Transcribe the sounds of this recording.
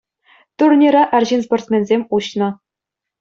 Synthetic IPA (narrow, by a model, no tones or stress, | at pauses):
t̪urnʲeɾɑʔɑrʲʑinsport̪ʲmʲenʲzʲemʲuɕnɤ̆